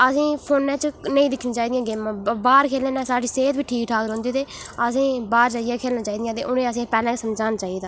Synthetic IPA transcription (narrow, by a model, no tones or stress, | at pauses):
əsĩːpʰoːnːɛ̃ːt͡ʃnəĩːd̪ɪkʰniːt͡ʃaːiːd̪ɪjãːɡeːmãːbaːɾkʰeːlɛ̃ːnãːsaːɖiːseːt̪ʋiːʈʰiːkʈʰaːkɾɔ̃ːnd̪iːt̪eːəsĩːbaːɾd͡ʒaːɪjãːkʰeːlnaːt͡ʃaːiːd̪ɪjãːt̪ḛːʔʊnẽːəs̬ĩːpɛːlɛ̃ːsəmd͡ʒaːnaːt͡ʃaːid̪aː